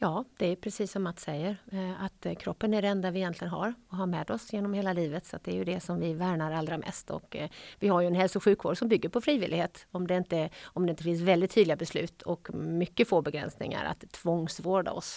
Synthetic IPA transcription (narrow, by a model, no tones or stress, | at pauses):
jɑːd̪̥ɛæɾjɵpʰɾɛsiːsːɔmːat̪ːsɛjːəɾat̪kʰɾɔpːənæɾɛnd̪avɪjɛnt̪lɪɡənɦa̰ɾɔɦaɾmɛd̪ɔsjeːnɔmheːlaliːvət̪sɔat̪̚d̪ɛæːɾjɵd̪ɛsɔmvɪvæːɾɳaɾald̪ɾamʔɛ̰st̪ɔ̰kvɪhajɵɛnhɛlsʊɧʉ̟ːkvo̰ːɖsɔmbʏɡːəɾpʰɔfɾiːvɪlɪɡheːt̪ɔmd̪ɛɪnt̪əɔmd̪ɛɪnt̪əfɪns̬vɛld̪ɪt̪ʰːyːdlɪɡabɛslʉ̟̰ːt̪ʰɔkmʏkːəfoːbɛɡɾɛ̰nsnɪ̰ŋa̰ɾa̰t̪ʰːvɔŋsvoːɖa̰ɔ̰s